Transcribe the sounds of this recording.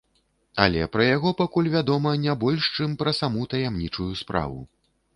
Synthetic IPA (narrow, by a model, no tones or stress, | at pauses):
ɐ̰lʲɛ̰pɾɐjaɣɔpakulʲvʲad̪ɔmɐnʲabɔlʲʂt͡ʂɨmpɾɐsamut̪ɐjamnʲit͡ʂujuspɾa̰vṵ